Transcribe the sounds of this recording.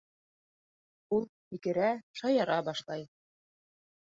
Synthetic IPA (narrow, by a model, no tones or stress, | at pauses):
ulˠ | ikɘ̆ɾæʃɑjɑɾɑbɑʃlˠɑj